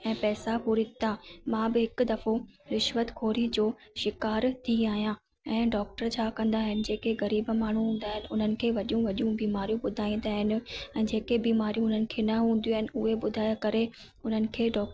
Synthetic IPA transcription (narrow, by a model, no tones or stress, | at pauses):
ɛ̃ːpɛːsapuɾit̪amãbɪɦɪkʊ̆d̪ɐfoɾɪʃʋət̪kʰoːɾid͡ʑoːʃɪkaːɾt̪ʰiaːɦijã | ɛ̃ːɖɔːk̚ʈəɾt͡ɕʰaːkɐ̃nd̪aːɦɪnɪ̆d͡ʑeːkeɣɐɾiːbmaːɳ̤uɦũːn̆d̪aːɦɪnɪ̆ʊn̤ənɪ̆kʰeːʋɐɗijũʋɐɗijũbiːmaːɾijũbʊd̪ʱaːĩn̆d̪aːɦɪnɪ̆ɛ̃ːd͡ʑeːkebiːmaːɾijũʊn̤ənɪ̆kʰeːnɐɦũːnd̪ijũaːɦɪnɪ̆ʊɦebʊd̪ʱaːjakɐɾe | ʊn̤ənɪ̆kʰeːɖɔːk